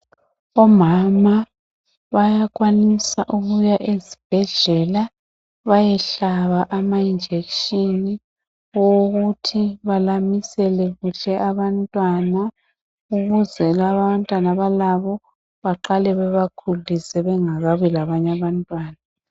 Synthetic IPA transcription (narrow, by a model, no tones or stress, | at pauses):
ɔmama | βajaɣwanisaʔuɣujaʔezib̥ʱɛɮɛla | βajɛɬaβaʔamaind͡ʒʱekʃʼini | woɣutʰiβalamisɛlɛɣuɬɛʔaβantʼwana | uɣuzɛlaβaβantʼwanaβalaβɔ | βaǃalɛβɛβakʰulisɛβɛŋaɣaβujɛlaβaɲaβantʼwaːna